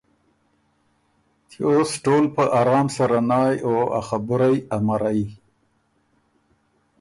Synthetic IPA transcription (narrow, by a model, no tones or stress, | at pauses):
t͡ʃeosʈoːlpəʔaɾɑːmsaɾanɑjoa̰xabʊɾajamaɾai